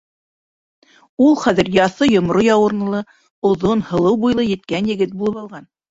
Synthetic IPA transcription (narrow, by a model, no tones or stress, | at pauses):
ulˠχæðɘ̆ɾjɑθɤjŏmɾojɑwɤ̆ɾnɤ̆lˠɤ | ŏðonhɤ̆lˠɤwbujlˠɤjɘ̆t̪̚kænjɘ̆ɡɘt̪̚bulˠɤpɑlˠʁɑn